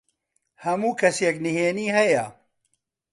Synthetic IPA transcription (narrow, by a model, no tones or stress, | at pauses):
hɐmuːkʰɐsjɛknɨɦeːniːhɐjɐ